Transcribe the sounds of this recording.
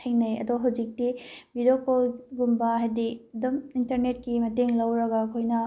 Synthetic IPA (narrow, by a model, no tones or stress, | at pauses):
tʰejŋnɐjɐ̰doɦɐwd͡ʒik̚tibidokolɡumbɐɦajdiɐdumintɐɾnet̚kimɐteŋlɐwɾɐɡɐkʰojnɐ